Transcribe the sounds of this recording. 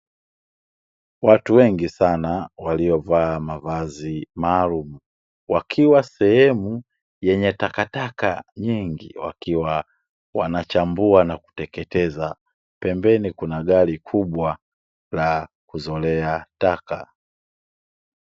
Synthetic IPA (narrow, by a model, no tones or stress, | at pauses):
watuwɛŋɡisanawaliɔvaːmavazimaːlumu | wakʰiwasɛhɛmu | jɛɲɛtakataka̰ɲiŋɡḭwa̰kiwa | wanat͡ʃambuanaku̥tɛkɛtɛza | pɛmbɛnikunaɠalikʰuɓwa | la | kuzɔlɛataka